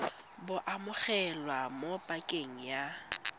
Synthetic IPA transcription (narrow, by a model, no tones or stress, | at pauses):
bʊʔamʊɣɛlwamopʼakʼeŋ̩ja